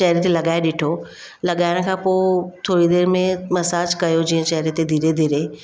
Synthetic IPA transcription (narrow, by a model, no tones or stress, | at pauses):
t͡ʃɐɦɾet̪elɐɠaːeɗɪʈʰo | lɐɠaːɪɽ̃̆kʰãːpoːt̪ʰoːɽid̪eːɾmẽmɐsaːd͡ʒkɐjod͡ʑiːə̃t͡ɕɐɦɾet̪ed̪ʱiːɾed̪ʱiːɾe